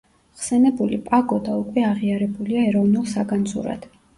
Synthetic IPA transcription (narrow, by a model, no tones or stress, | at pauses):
χsɛnɛbulipʼaɡɔd̪aukʼwɛaʁiaɾɛbuliaɛɾɔvnulˠsaɡanzṵɾa̰d̪̥